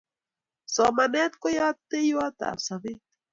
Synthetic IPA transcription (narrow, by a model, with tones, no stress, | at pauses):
somane˦t̪kojat̪ːe˦jwa˦t̪a̰˨saβe˦t̪